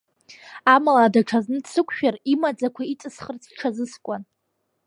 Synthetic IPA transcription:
amalaːdaʈ͡ʂʰaznɨdsɨkʷʰʼʃᶣarimad͡zakʷʰait͡sʼɨsχərt͡sʰʈ͡ʂʰazɨskʷʼan

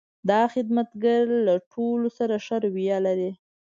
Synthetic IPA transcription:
d̪ɑxɪd̪mat̪ɡaɾlaʈʰolosaɾaʃaɾwijalaɾi

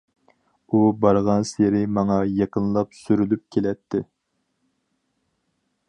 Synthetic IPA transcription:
ubɑɾʁɑnseɾɪmɑŋɑjɑqʰənlˠɑpsyɾylyp̚kʲʰelɛt̪ʰːɪ

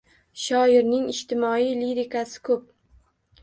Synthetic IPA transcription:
ʃɒɪɾnɪŋɪʃt̪ʰɪmɒijliɾɪkʰasɪ̥kʰɵp̚

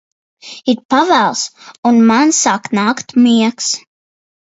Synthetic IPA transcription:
it̪̚pavælˠsunmansaːknaːkt̪miɛks

